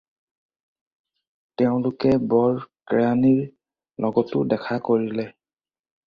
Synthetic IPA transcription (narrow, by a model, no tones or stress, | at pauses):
teʊ̃lʊkɛbɔɹkɹaniɹ | lɔɡɔtʊdɛkʰakoɹilɛ